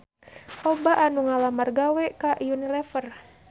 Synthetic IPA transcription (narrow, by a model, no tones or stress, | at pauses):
ɔbaʔanuŋalamarɡawɛkaʔjunilɛfər